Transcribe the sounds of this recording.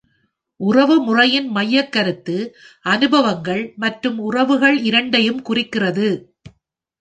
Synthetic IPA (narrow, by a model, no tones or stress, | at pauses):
ʔʊrɐʋɯmʊrɐjɪnmɐjːɐkːɐɾɯt̪ːɯʔɐnɯbɐʋɐŋɡɐɭmɐʈrɯmʊrɐʋɯɣɐɭɪɾɐɳɖɐjɯmkʊrɪkːɪrɐðɯ